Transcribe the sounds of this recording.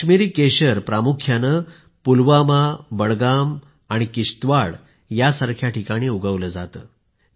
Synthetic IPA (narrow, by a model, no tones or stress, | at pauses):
miɾiːkeɕəɾpɾamukʰjanə | pulʋamabəɽɡam | aɽ̃ikiɕt̪ʋaɽ | jasaɾkʰjaʈikaɽ̃iːuɡʱəʋləd͡zat̪ə̰ː